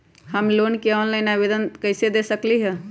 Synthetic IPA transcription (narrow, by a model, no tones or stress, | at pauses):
həmlonkeanləɪnabed̪ənkəɪsed̪esəkliɦɛ̃